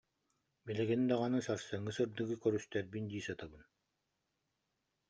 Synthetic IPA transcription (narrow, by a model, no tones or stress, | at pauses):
bilɛɡinid̪aʁanɯsaɾsɯŋːɯsɯɾd̪ɯɡɯkœɾyst̪ɛɾbind̪iːsat̪abɯn